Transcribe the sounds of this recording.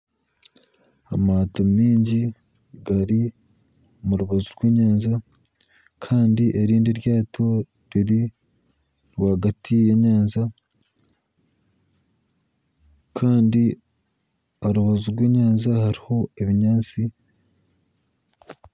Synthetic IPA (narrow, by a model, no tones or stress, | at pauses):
amatomiːɲɟi | ɡaɾi | muɾuβazuɾɡweːɲaːnza | kʰaːndiʔeɾiːndeɾjaːtʰo̞ | ɾiɾi | ɾwaːɡatʰijeɲaːnza | kʰaːndi | aɾuβazuɾweːɲaːnzahaɾiho̞eβiɲaːnt͡si